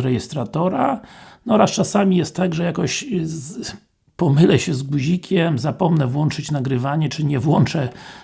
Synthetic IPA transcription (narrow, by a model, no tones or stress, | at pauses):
ɾɛjɛst̪ɾat̪ɔɾanɔɾast͡ʂasamʲijɛst̪ːaɡʐɛjakɔɕ | pɔmɘlɛɕɛzɡuʑikʲʰɛmzapɔmnɛvwɔnt͡ʂɘt͡ɕnaɡɾɘvaɲɛt͡ʂɘɲɛvwɔnt͡ʂɛ